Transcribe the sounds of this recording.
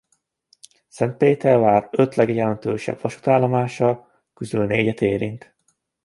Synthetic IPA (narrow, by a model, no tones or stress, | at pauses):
sɛnt̪̚peːt̪ɛrvaːrø̞t̪lɛɡjɛlɛnt̪øːʃɛ̰bvɒʃu̥t̪aːlːɒmaːʃɒ | kyzylneːɟɛt̪eːɾint̪